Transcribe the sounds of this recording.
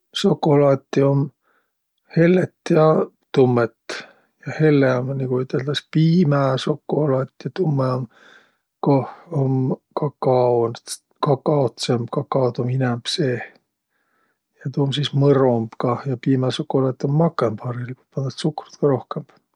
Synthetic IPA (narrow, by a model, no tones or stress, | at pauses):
sokːˑolɑt̪ʲːiom | he̞lːet̪ːjɑ | t̪umːet̪ː | jɑhe̞lːeɑmnikuyt̪ːˑeld̪̥ɑspiːmæsokːolɑt̪ːjɑt̪umːeɑm | kohomkɑkɑon | kɑkːɑot̪sembkɑkːɑot̪ominɛmb̥seː | jɑt̪umsismɤɾomb̥kɑjɑpiːmæsokːolɑːt̪ːˑiomːɑkːˑempɑɾiliku̥t̪pɑnd̪ɑt̪sukru̥t̪kɑɾo̞hkemb̥